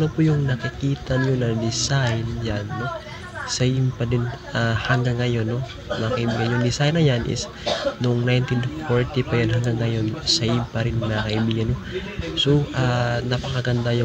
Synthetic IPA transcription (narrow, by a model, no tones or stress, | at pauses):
nopujʊŋnɐkikiːt̪ɐɲonɐd̪ɪsajnjanːo̞ | sɐjɪmpɐd̪ɪn | ahɐŋɡaŋːɐjo̞nːo | nɐkɐʔibiːɡanjʊŋd̪ɪsajnɐjanʔɪ̰s | noŋnajnt̪infoɹt̪ipɐjonɦɐŋɡaŋːɐjo̞nsɐʔɪmpɐɾɪnmakɐʔibiːɡɐnosoʔaːnɐpɐkɐɡɐnd̪ajʊ